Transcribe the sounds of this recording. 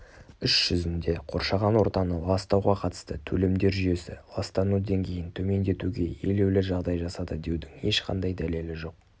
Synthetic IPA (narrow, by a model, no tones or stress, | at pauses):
ʏʃʒ̥ʏzɪnd̪e̞qʰo̞̰ɾʃɑʁɑnwo̞ɾt̪ɑnəlˠɑst̪ɑwʁɑqʰɑt̪ə̥st̪ət̪ʰɵle̞md̪e̞ɾʒʏje̞sɪ̰lˠɑst̪ɑnud̪eŋkʲʰe̞jɪnt̪ʰɵme̞nd̪e̞t̪uɡʲe̞je̞̰le̞wlɪʒɑʁd̪ɑjʒɑsɑd̪əd̪e̞wd̪ɪŋe̞ʃqʰɑ̰nd̪ɑjd̪æle̞lɪʒo̞q̚